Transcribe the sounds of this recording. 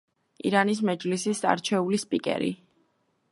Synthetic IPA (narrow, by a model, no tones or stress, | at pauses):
ḭɾanis̬mɛd͡ʒlisisa̰ɾt͡ʃʰɛulispʼikʼɛ̰ɾḭ